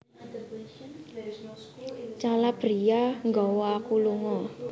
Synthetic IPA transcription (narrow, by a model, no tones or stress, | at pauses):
t͡ʃalab̥ɾijaŋɡɔwɔkuluŋɔ